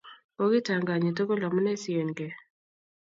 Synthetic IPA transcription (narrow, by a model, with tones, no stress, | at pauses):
o˦ɡɪ˦ta˨ŋɡa˨ɲe˨t̬o˦ɡo˦la˨mɔ˦nɛ˦sɪ˨e˨ŋɡe˨